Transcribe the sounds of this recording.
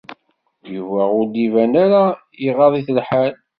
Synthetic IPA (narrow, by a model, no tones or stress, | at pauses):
juvæʁʊɾd̪ivænaɾa | iʁɑðˤiθlħal